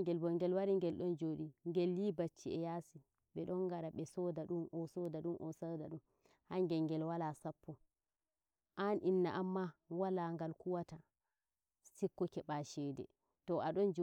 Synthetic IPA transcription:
ŋɡɛlbɔŋɡɛlwaɾiŋɡɛlɗɔnd͡ʒoɗiŋɡɛljibat͡ʃːiɛjaːsi | ɓɛɗɔŋɡaɾaɓɛsɔdaɗumʔɔsɔdaɗumʔɔ̰sadaɗum | haŋɡɛŋɡɛlwalasapːɔ | ʔanʔinːaʔamːawalaŋɡalkuwata | sikːɔkɛɓaʃɛdɛ̰ | tɔaɗɔnd͡ʒ

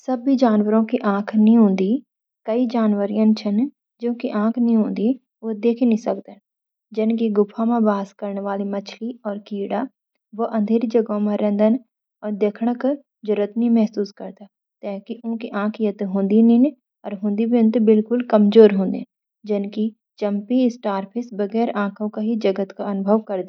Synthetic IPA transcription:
səbid͡ʒaːnʋəɾõkiʔãːkʰnĩɦʊ̃ːnd̪iː | kəid͡ʒaːnʋəɾijãnt͡ʃʰən | d͡ʒõːkiʔãːkʰnĩɦõːnd̪iː | ʋod̪eːkʰinĩsəkd̪ən | d͡ʒɪnk̬iɡʊpʰːãmãbaːskəɾnʋaːlimət͡ʃʰliɔːɾkiːɽaː | ʋoʔə̃nd̪ʱeːɾid͡ʒəɡõmãɾɛ̃ːnd̪ən | ɔːɾd̪eːkʰɽ̃ək | d͡ʒʊɾət̪nimɛɦsuːskɐɾd̪a | t̪ɛːɦkiʔõkiʔãːkʰjɐt̪ɦõːnd̪inin | ɔːɾɦʊ̃ːnd̪ibjʊ̃nt̪bɪlkʊlkɐmzoːɾɦõːnd̪ḛ | d͡ʒɪnki | t͡ʃə̃mpiɪsʈaːɾpʰɪsbɐɡɛːɾãːkʰõkaɦid͡ʒɐɡət̪kaɐnʊbʱəʋkɐɾd̪

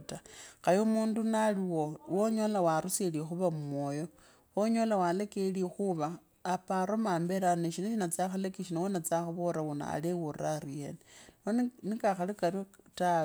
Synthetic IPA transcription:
taxajomuːndunaliwowoɲolawaɾuselixuβammwojo̞ | woɲolawalekelixuβaː | paɾomaːmbeɾaniʃinaʃinat͡saxalekiʃinowonat͡saxaβoɾawuna̰a̰lewuɾaɾijeneonnikaxalikaɾta

